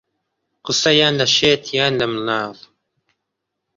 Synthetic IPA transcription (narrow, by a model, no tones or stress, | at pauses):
qɨsɐjaːnlɐʃeːt̪ʰjaːnlɐmlaːv